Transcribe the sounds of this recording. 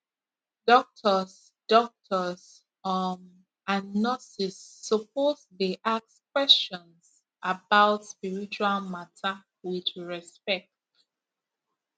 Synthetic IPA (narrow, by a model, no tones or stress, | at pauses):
dɔk̚tʰəs | d̥ɔk̚tʰəs | ɔn | anɔsisːɔp̚osdeʔakskwɛst͡ʃɔ̃ns | ʔabaʊtspiɹit͡ʃualmatʰa | widɹɛspɛk̚t